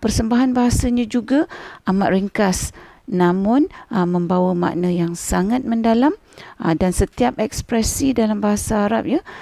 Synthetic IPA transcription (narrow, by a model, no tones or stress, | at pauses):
pərsəmbaɦanbaɦasaɲãd͡ʒuɡaʔamaʔ̪ɾiŋkasnãmʊ̃nəmːə̃mbawama̰ʔnə̃jaŋsaŋat̪̚mə̃ndalam | dansət̪iap̚ɛkspɾɛsidalambaɦasaːɾap̚ja